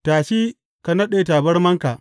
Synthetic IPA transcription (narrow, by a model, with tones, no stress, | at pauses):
taː˨ʃi˦ | ka˨nɐ˦ɗeː˨ta˨bɐ˦rmɐ˦ŋka˨ʔ